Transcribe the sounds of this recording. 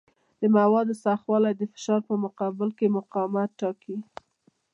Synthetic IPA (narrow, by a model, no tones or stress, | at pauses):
d̪̥əmawɑd̪əsaxwɑlajd̪əfɪ̥ʃɑɾpəmʊqɑbɪlkemʊqɑmat̪ʈːɑki